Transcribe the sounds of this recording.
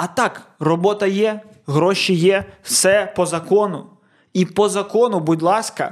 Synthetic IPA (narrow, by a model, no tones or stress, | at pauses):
ɐt̪ɑkrɔbɔt̪ɐjɛ | ɦɾɔʃijɛwsɛpɔzɐkɔnʊ | ipɔzɐkɔnʊbʊdʲlˠɑskɐ̰